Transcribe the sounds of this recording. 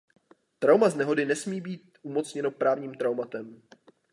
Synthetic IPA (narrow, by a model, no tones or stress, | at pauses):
t̪ɾawmaznɛɦo̞dɪnɛsmiːbiːt̪̚umo̞t͡sɲɛno̞pɾaːvɲiːmt̪ɾawmat̪ɛm